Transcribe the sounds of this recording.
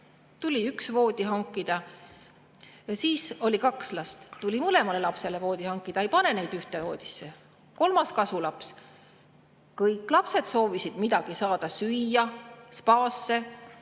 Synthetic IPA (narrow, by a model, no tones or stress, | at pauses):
t̪ulʲiyksvo̞ːd̪̥ʲiɦɑŋkːˑid̪̥ɑ | siːso̞lʲikɑkslɑst̪t̪ulʲimɤle̞mɑle̞lɑpse̞le̞vo̞ːd̪̥ʲihɑŋkːˑid̪̥ɑejpɑne̞nejd̪yht̪e̞vo̞ːd̪̥ʲi̥sːe̞ | ko̞lmɑskɑsulɑps | kɤjkːˑlɑpse̞d̪so̞ːvisid̪̥mid̪̥ɑɡ̥isɑːd̪̥ɑsyjːɑspɑːsːe̞